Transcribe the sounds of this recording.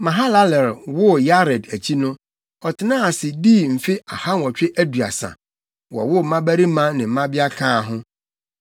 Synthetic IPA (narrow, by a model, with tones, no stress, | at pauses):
mã˨ɦa˦la˦lɛ˨ɾwʊ˦ja˦ɾɛ˨dæ˨t͡ɕʰi˦nʊ̃˦ | ɔ˨tʰɪ˨nã˦a˨sɪ˨diː˦˨m̩˨fi˦a˨ha˦n˨ɔ˨t͡ɕᶣɪ˦ʔæ˦du˨a̰˨sã̰˨ | wɔ̰˨wʊ˦˨˦mã˦bæ˦ɾi˦mã˦nɪ̃˨m̩˨mã˦bɪ˦a˦kʰãː˦˨ɦʊ̃˦